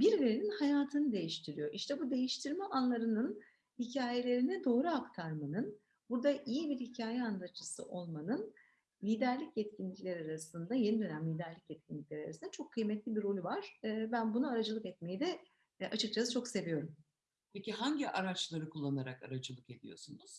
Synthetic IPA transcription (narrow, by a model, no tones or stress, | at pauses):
biɾleɾeninhajaːt̪ʰɯnɯd̪e̞jiʃt̪ʰiɾijo̞ʔiʃt̪ʰɛbud̪e̞jiʃt̪ʰiɾmɛʔanlˠaɾɯnɯn | hicʰaːje̞lʲe̞ɾinid̪o̞ːɾuakt̪ʰaɾmanɯn | buɾd̪aʔijibiɾhicʰaːjɛand̪at͡ʃɯsɯ̰ʔo̞lˠmanɯn | lʲiːd̪æɾlʲicjɛt̪cʰinlʲiclʲeɾiaɾasɯnd̪aje̞nid̪ø̞næmlʲiːd̪æɾlʲicjɛt̪̚cʲʰinʲiclʲeɾia̰ɾasɯnd̪at͡ʃʰo̞kʰːɯjmɛt̪lʲibiɾo̞lʲuvaɾ̥ːbænbunuaɾad͡ʒɯlˠɯkɛt̪̚me̞jid̪ɛ | at͡ʃʰɯk̚t͡ʃʰast͡ʃʰo̞kse̞vijo̞ɾum | pʰeciɦaɲɟiʔaɾat͡ʃlˠaɾɯkʰulˠːanaɾakaɾad͡ʒɯlˠɯke̞d̪ijo̞̰sunuz̥